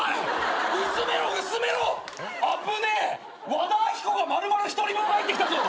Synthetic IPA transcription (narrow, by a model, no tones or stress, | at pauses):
ɯsɨme̞ɾoɯ̟sɨme̞ɾoapɯne | βad̪aːçʲi̥koɡamaɾɯ̟maɾɯçi̥t̪o̞ɾʲimohait̪ːekʲit̪azo